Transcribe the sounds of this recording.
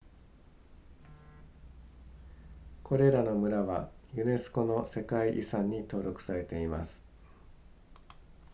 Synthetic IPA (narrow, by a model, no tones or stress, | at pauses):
kʰo̞ɾe̞ɾano̞mɯ̟ɾaβa̰jɯ̟ne̞sɨ̥ko̞no̞se̞kaiʔisãɲ̟ːit̪o̞ːɾʲo̞kɯ̟̥saɾe̞t̪e̞imasɨ̥